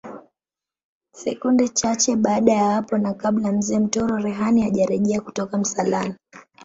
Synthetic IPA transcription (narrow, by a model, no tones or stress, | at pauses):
sɛkundɛt͡ʃat͡ʃɛɓaːɗajawapɔnakaɓlam̩zɛːm̩tɔɾɔɾɛɦaniaʄaɾɛʄɛakutɔkam̩salana